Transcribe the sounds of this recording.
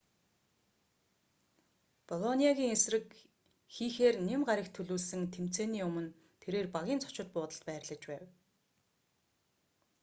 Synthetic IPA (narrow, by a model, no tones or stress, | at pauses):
pɔlɔniaɣʲiːŋesrɘ̆k | xiːxeːrnemɢaɾʲə̆kt̪ʰɵɮuːɮsɘ̆ŋt̪ʰem̥t͡seːniːɵmɵ̆n | t̪ʰeɾeːrpaɣʲiːnt͡sʰɔ̥t͡ɕɪ̆t̪̚pʊːt̪ə̆ɬt̪pæːrɮə̆t͡ɕpæːw